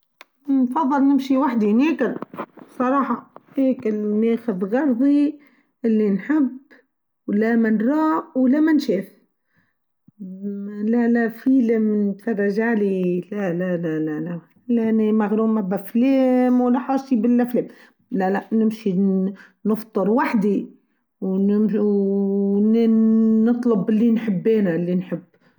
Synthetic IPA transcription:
nfɑðˤːɨlnɪmʃiwaħd̪ineːkɪlsˤɑɾˤɑːħɑheːkɪlneːxʊðɣɑɾˤðˤi | ʔɪlːinħɪb | wlamanɾˤɑːʔwlamanʃeːf | lalafiːlɪmnt̪fɑrˤːɑʒaʕlilalalalala | lanimaɣɾuːmabafleːmwalːaħɑːsibɪlːafleːm | lalaʔnɪmʃi | nɨft̪ˤɨɾwaħd̪i | wnɪm | nː | ɨt̪ˤlʊbɪlːinħɪbːeːnaɪlːinħɪbː

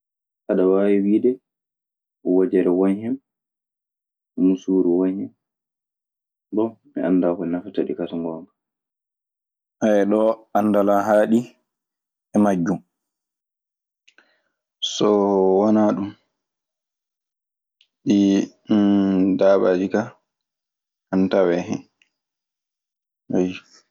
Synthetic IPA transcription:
kaɗawawiwiːɗɛ | ɔwad͡ʒɛɾɛwɔnhɛm | musuːɾuwɔnhɛm | bɔmɛandakɔnafataɗikasaŋɡɔmba | ʔaɛɗɔandalaɦaːɗi | ɛmad͡ʒːu | sɔwanaɗum | ɗi | daɓad͡ʒika | antawɛɦɛ̰n | waj

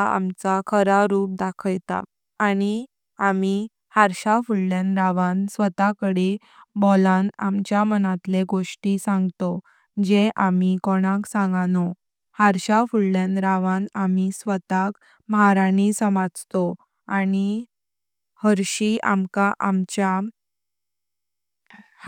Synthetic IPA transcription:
a̰mt͡sakʰəɾaɾuːp̚d̪akʰəjt̪a̰ | aɽ̃i | ami | haɾɕafulljanɾaʋãnsʋət̪akəɽe | bɔlãnamt͡ɕjamənat̪leɡoʂʈisãŋɡt̪o | d͡ʑeʔamikɔɽ̃aksãŋɡano | haɾɕafuɭljanɾaʋãnamisʋət̪ak | məɦaɾanisəmad͡zt̪o | ani | həɾɕia̰mkaʔamt͡ɕa

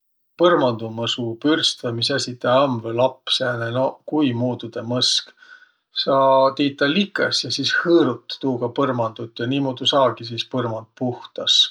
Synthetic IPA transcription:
pɤrmɑnd̪̥umɤsupyrst̪vemisæsʲit̪ːˑɑɑmvelɑpːˑsæːnenokujmuːd̪ud̪̥emɤsk | sɑːt̪iːt̪ˑːɑlikːˑɑ̰sjɑsishɤːɾut̪ːuːɡ̥ɑpɤrmɑnd̪̥ut̪ːjɑniːmoːd̪̥ʲusɑːɡis̬iːspɤrmɑnd̪̚puht̪ɑs

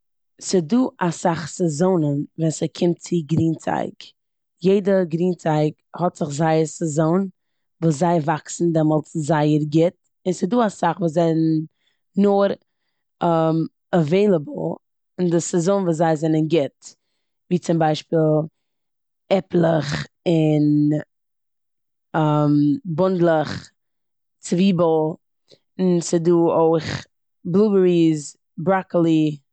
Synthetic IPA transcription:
sɪduːʔasaχsɛzoʊnənvɛnsəkʰɪmt̚t͡sɪɡɾiːnt͡sa̰ɪk | jeɪdəɡɾiːnt͡saɪkhɔtz̥ɪχzaɪəsəzoʊn | vuːs̬zaɪvaksn̩dɛmɔlˠt͡szaɪəɾɡɪt̚ | ɪnsɪduːasaχvuːs̬zɛn | nʊɾ | m | aveɪlˠəbl̩ˠ | ɪndɪsɪzʊnvuːszaɪzɛnənɡɪt | viːt͡sɪmbaɪʃpiːlˠ | ɛplˠəχ | ɪn | ambʊndlˠəχ | t͡sviːbl̩ˠ | nsɪduːoɪχ | blˠuːbəɹiz | bɾaklˠi

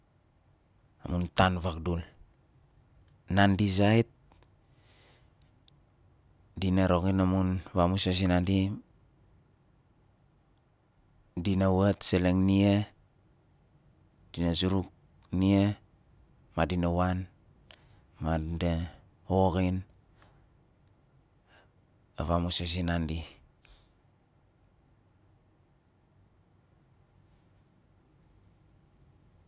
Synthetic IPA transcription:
amuntanβak̚dul | nandiz̬ait̚ | dinaɾokinamunβamuses̬inandi | dinawetseleŋnie | d̥inazuɾuk̚ | nie | madinawan | made | oɣin | aβamuses̬inandi

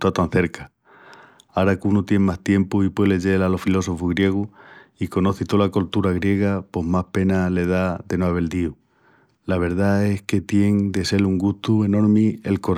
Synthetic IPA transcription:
t̪at̪an̟θe̞ɾka | aɾakunut̪je̞ŋmast̪je̞mpuipweleʝe̞lalofilo̞so̞fuɣɾje̞ɣ̞uikono̞θit̪olakolt̪uɾaɣɾje̞ɣ̞apo̞ɦmahpe̞nale̞ðad̪e̞noaβe̞ld̪iw | laβ̞e̞ɾðae̞hke̞t̪je̞ŋd̪e̞se̞luŋɡust̪ue̞no̞ɾmie̞lko̞ɾ

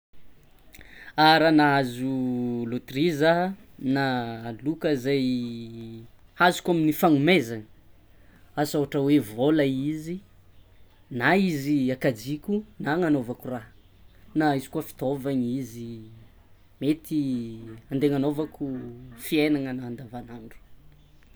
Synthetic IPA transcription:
aɾanaazulut̪rizanalukəzaj | hazu̥kʲaminifaŋumezaŋə | asaɦaʈ͡ʂəwevolaizi | naiziakad͡zikʲunaŋanovakuraɦ | naizi̥kuəfi̥t̪ovaɲizi | met̪ʰiand̪eŋanovakʰufienaŋənaand̪avanaɳɖ͡ʐu̥

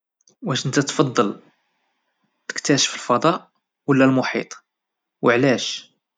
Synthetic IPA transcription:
wæʃənt̪æt̪fɑd̪ˤːɑl | t̪ə̥kt̪æʃə̥fəlfɑd̪ˤɑʔ | wəlːælmʊħḭt̪ˤ | wəʕlæʃ

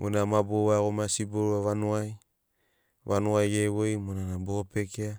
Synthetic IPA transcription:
mʔo̰namaboβaɣomasiboɾaβanoaj | βanuajɡeβojmonanabopekea

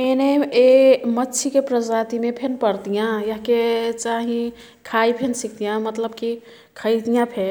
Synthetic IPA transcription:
eneemətːʃʰikepɾəd͡ʒat̪imepʰenpəɾt̪ijãjaɦket͡ʃaɦĩ | kʰaipʰensikt̪ijãmət̪ləbki | kʰəjt̪ijãpʰe

